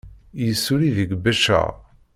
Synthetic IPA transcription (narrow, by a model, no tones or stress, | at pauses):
jəsːuɾiðəɡbæʃæ̰